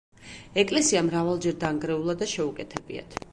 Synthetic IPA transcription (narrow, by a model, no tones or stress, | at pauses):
ɛkʼlɛsiamɾavalˠd͡ʒɛɾd̪aŋɡɾɛulˠad̪aʃɛukʼɛt̪ʰɛbḭa̰t̪ʰ